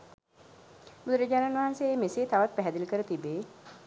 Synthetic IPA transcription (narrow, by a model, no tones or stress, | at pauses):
bud̪əɾəɟaːɾanʋaɦanseːmeseːt̪aʋat̪̚pæɦɛd̪iləkəɾət̪ibeː